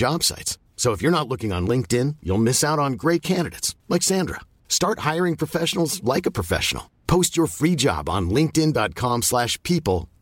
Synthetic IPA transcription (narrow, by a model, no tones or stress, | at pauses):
ɑb̥sa̰ɪts | soʊəfjə˞ñətˡlʊkɪ̃ŋə̃nlɪ̃ŋk̚tɪ̃njṵlˠmɪsaʊɾn̩ɡɹeɪt̚kʰæ̃ndɨɾeɪtslɛɪksæ̃ndɹə̰ | stɑɹt̚haɪə˞ɪ̃ŋpʰɹ̥əfɛʃnl̩ˠzlaɪkəpʰɹ̥əfɛ̰ʃə̰n̩̰l̩ˠpʰoʊst͡ʃə˞fɹid͡ʒɑ̰b̃n̩lɪ̃ŋk̚tɪ̃ndɑt̚kʰɑ̃mslæʃpʰipl̩ˠ